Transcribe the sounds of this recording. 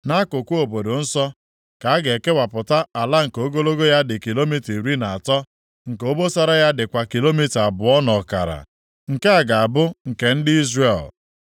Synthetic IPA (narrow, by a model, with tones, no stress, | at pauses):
na˦kʊ˨kʷu˦o˨bo˨do˨n̩˦sɔ˦ | ka˨a˦ɡe˨ke˦wa˨pʊ˨ta˦a˨la˦ŋ̩˨ko˦ɡo˦lo˦ɡo˦ja˦dɪ˨ki˨lo˦mi˦ti˨ɾi˦na˨a˨tɔ˦ | ŋ̩˨ko˦bo˦sɔ˦ɾɔ˦ja˦dɪ˨kʷa˨ki˨lo˦mi˦ta˨a˨bʊ˨ɔ˦nɔ˨ka̰˨ɾa̰˨ | ŋ̩˨ke˦a˨ɡa˨a˨bʊ˦ŋ̩˨ke˨n̩˦dɪ˦i˦zre˨l